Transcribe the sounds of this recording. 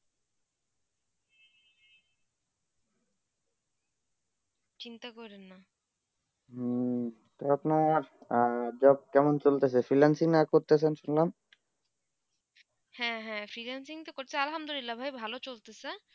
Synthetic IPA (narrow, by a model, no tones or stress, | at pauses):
t͡ɕint̪akɔɾenːa | t̪oapnaɾ | d͡ʑɔb̚kɛmont͡ɕolt̪esʰefɾilansiŋakoɾt̪esʰenʃunlam | hɛ̃ɦɛ̃fɾilansiŋt̪okoɾt̪eealɦamd̪olilːabʱajbʱalot͡ɕolt̪ese